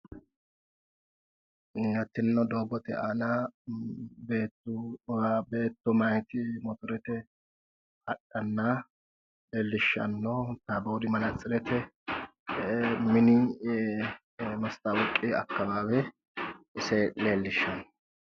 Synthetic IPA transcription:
ɐt̪ːɪnnɔd̪oːɡɔt̪ɛʔana | beːt̪ːʊbe̞ːt̪ːʊmɐjt̪ɪmɔt̪ʊɾɛt̪ɛ | ɐkʼːɐnːa | leːlːɪʃːɐ̰nːɔt̪ːaboːd̪ɪmɐnɐt͡sʼːɪɾɛt̪ɛ | mɪnɪ | mɐst̪ʼawʊkʼːɪɐ̰kːɐbaːbɛ | ʔɪsɛleːlːɪʃːɐnɔ

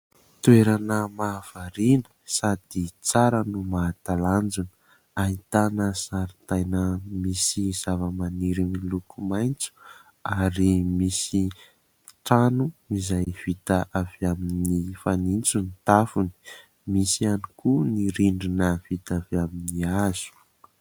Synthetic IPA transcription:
t̪ueɾanəmav̥aɾinə̥sad̪̥it͡saɾənumat̪aland͡zunə̥ | ait̪anəsaɾit̪ajnəmisiz̥avəmaniɾimilukumajnt͡su̥ | aɾimisi | ʈ͡ʂanuizajv̥it̪əʔavaminifanint͡sunit̪afuni̥ | misianikuniɾiɳɖ͡ʐinəv̥it̪avaminiaz̥u̥

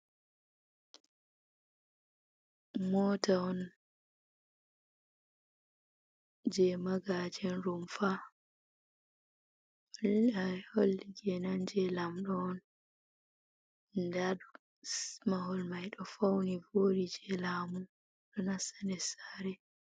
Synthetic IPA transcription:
mɔtaɔn | d͡ʒɛmaɡad͡ʒɛnɾumfa | laholːiɡɛnand͡ʒɛlamɗɔːn | daɗɔ | mahɔlmajɗɔfawnivoːɾid͡ʒɛlaːmu | ɗɔnasḁnɛsaɾɛ

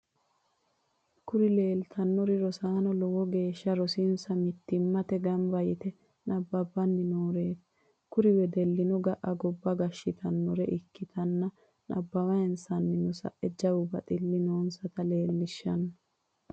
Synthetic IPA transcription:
kʊɾɪle̞ːlt̪ʰɐnːɔɾɪɾɔsaːnɔlɔwɔɡe̞ːʃːɐɾɔsɪnsɐmɪt̪ːɪmːɐt̪ɛɡɐmbɐjɪt̪ɛ | nɐbːɐbɐnːɪnoːɾeːt̪ | kʊɾɪwɛd̪ɛlːɪnɔɡɐʔɐɡɔbːɐɡɐʃːɪt̪ʰɐnːɔɾɛʔɪkːɪt̪ʰɐnːɐ | nɐ̰bːɐwɐjɛnsɐnːɪnʊsɐ̰ʔɛd͡ʒɐwʊbɐ̰t̪ʼɪlːɪnoːnsɐt̪ɐle̞ːlːɪʃːɐnːɐ

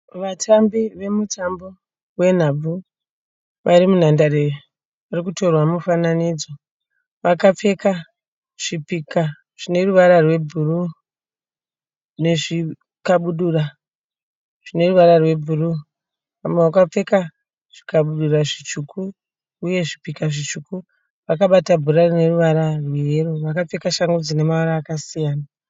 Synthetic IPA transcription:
ʋatʰambiʋe̞mutʰambo | we̞n̤ab͡vu | ʋʔaɾimun̤andare | ʋarikuto̞rwamufananid͡zo | ʋakap͡fe̞ka | ʐ̥ipika | ʐ̥ine̞ruʋaɾarwe̞bʱuru | ne̞ʐi | kaɓuɗura | ʐ̥ine̞ruʋaɾarwe̞bʱuru | amweakap͡fe̞ka | ʐ̥ikaɓuɗuraʐit͡ʃukuː | je̞ʐipikaʐit͡ʃuku | ʋakaɓatabʱuɾarine̞ruʋaɾarweeɾoʋakap͡fe̞kaʃaŋɡud͡zine̞maoɾaːkasijaːna

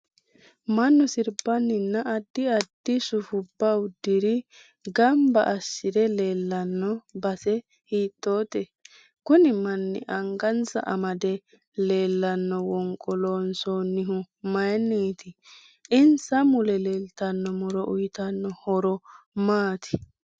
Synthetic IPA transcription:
mɐnːɔsɪɾbɐnːɪnːɐɐd̪ːɪɐd̪ːɪsʊfʊbːɐʊd̪ːɪɾɪ | ɡɐmbɐ̰ʔɐsːɪd̪ɛle̞ːlːɐnːɔbɐsɛ | hiːt̪ʼːo̞ːt̪ɛ | kʊnɪmɐnːɪ̰ʔɐŋɡɐnt͡sɐ̰ʔɐmɐd̪ɛ | le̞ːlːɐnːɔwɔŋkʼːɔloːnsoːnːɪɦʊ | mɐjnːiːt̪ɪ | ɪnsɐmʊlɛle̞ːlt̪ɐnːɔmɔɾɔʔʊjt̪ɐnːɔhɔɾɔ | maːt̪ɪ̥

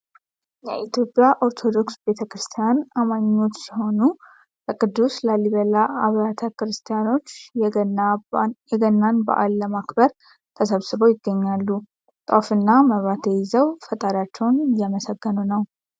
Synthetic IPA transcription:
jɛʔit̪ʰjo̞pʼɪjaʔoɾt̪ʰo̞d̪o̞ksbe̞t̪ʰəkɾɨst̪ʰijanamaɲːo̞t͡ʃːsiho̞nu | ləkʼɨd̪ːusləliβəlaʔaβɾat̪ʰəkɾɨst̪ʰijano̞t͡ʃː | jɛɡənːanbə̰ʔa̰lːəmakbəɾ | t̪ʰəsəβsɨbojɪɡːəɲːalːu | t̪ʼafɨnːaməβɾat̪ʰjɛjɪzəwfət̪ʼaɾat͡ʃːɛwnjaməsəɡːənunəw

